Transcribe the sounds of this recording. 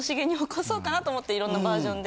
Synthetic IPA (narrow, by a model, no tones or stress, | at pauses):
oɕiɡeɲ̟iokʰoso̞ːkanat̪oːmo̞t̪ːe̞iɾõ̞nːabaːʑõ̞nd̪e